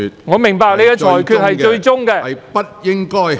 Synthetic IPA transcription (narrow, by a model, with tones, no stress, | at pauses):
ŋɔː˨˧mɪ˨˩ŋpaː˨˧k̚le˨˧jkɛ˧t͡ʃʰɔː˨˩jkʰyː˨˧t̚hɐ˨jt͡ʃɵ˧ɥt͡ʃʊ˥ŋkɛ˧pɐ˥t̚jɪ˥ŋkɔː˥j